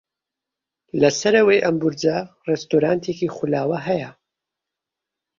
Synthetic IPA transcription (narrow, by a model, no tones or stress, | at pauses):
lɐsɐɾɐwɐjʔɐmbuɾd͡ʒa | rɛst̪oɾaːnt̪ʰeːkiːχulaːwɐɦɐjɐ